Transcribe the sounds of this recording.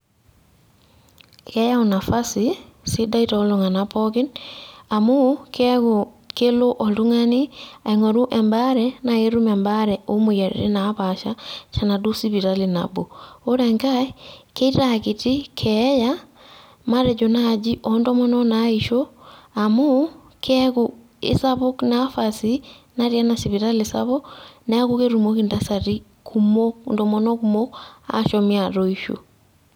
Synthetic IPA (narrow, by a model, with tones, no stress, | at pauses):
kɛ˦ja˦u˨na˨fa˦sisi˦da˦itaː˨˦lo˨ŋa˨napɔ˦kɪ˦na˨mu˦k | ke˦lo˦ʔɔ˨tu˦ŋa˦ni˦a˨i˨ŋɔ˨ɾu˦ʔɛ˨mba˦ɾɛna˨e˦ɾu˦mɛ˨mba˦ɾɛ˨o˦mu˨ja˨ɾḭ˨ɾḛ˦na˨˦paʃa˦t͡ʃa˨na˨du˦si˦βi˨ɾali˨na̰bo˨o˦ɾɛ˨ŋka˦ke˦iɾaɣiti˦kʰɛja | ma˦ɾɛd͡ʒɔnad͡ʒiʔɔndɔmɔnɔnaiʃɔamo˦ | kʰɛɣu | ḛsaβo˦knafasina˦ɾja˦nasi˨βiɾalesa̰βɔna˦ɣukeɾumo˦kindasaɾi | kumondɔmɔnɔkumoa̰ʃɔmiaɾoiʃo̰